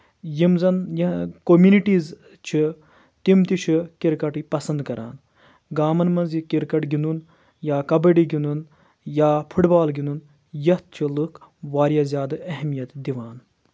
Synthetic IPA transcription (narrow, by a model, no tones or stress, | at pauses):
jimzɐnjkomjuniʈiːz | t͡ʃʰi | t̪imt̪it͡ʃʰikiɾkɐʈipɐsɐnd̪kɐɾʔa̰ːn | ɡaːmɐnmɐnzikiɾkɐʈɡinun | jaːkɐbɐɖiɡinun | jaːpʰuʈbaːlɡinun | jɐt̪̚t͡ʃʰilɨkʋaːɾijaːzʲjaːd̪ɐɐɦmijɐt̪d̪iʋaːn